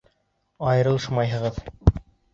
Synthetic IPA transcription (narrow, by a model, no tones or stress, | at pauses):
ɑjɤ̆ɾɤ̆l̆ˠʃmɑjɦɤ̆ʁɤð